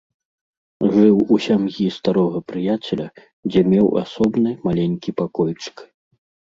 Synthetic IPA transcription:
ʐɨwusʲamjist̪aɾɔɣɐpɾɨjat͡sʲɛlʲɐ | d͡zʲɛmʲɛwa̰sɔbnɨmalʲenʲkʲipakɔjt͡ʂɨ̥k

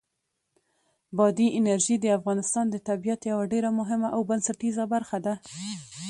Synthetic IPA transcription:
bɑd̪iʔɪnaɾʒid̪əafɣɑnɪst̪ɑnd̪ət̪abijat̪jawaɖeɾamʊɦɪmaʔawbansaʈizabaɾxad̪a

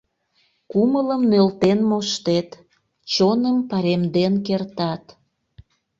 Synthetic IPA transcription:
kumələmnølt̪enmoʃt̪et̪ | t͡ɕonəmpɑɾemd̪enkert̪ɑt̪

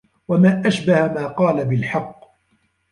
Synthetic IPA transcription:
wamaːʔaʃbahamaːqɑːlabɪlħɑqː

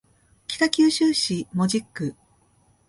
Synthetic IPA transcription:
kʲi̥t̪akʲɨːɕɨːɕimo̞ʑikːɯ̟

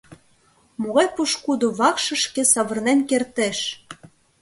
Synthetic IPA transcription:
moɣɑjpuʃkud̪oβɑkʃɤ̆ʃkĕsɑβɤ̆rnenkert̪eʃ

